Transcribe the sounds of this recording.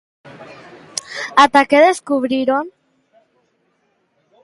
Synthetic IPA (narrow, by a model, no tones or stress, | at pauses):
at̪akeðeskuβɾiɾon